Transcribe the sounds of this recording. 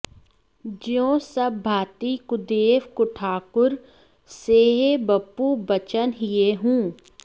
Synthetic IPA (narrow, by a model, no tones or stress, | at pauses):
d͡ʒjõːsɐbːʱaːt̪ikʊd̪eːʋkʊʈʰaːkʊɾ | seːɦebɐpːubɐt͡ʃənɦɪjeɦũː